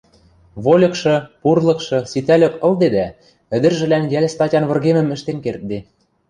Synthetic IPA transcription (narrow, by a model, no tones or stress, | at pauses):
βolʲɤ̆kʃɤ̆purlˠɤ̆kʃɤ̆sit̪ælʲɘ̆kɤ̆ld̪ed̪æ | ɘ̆d̪ɘ̆rʒɘ̆lænjæl̆ʲst̪ɑtʲɑnβɤ̆rɣemə̆mɘ̆ʃt̪enkert̪̚d̪e